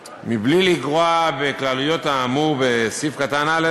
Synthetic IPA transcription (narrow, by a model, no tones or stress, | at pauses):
mibliliɡʁoabeklalujo̞t̪aːmube̞sifkatanale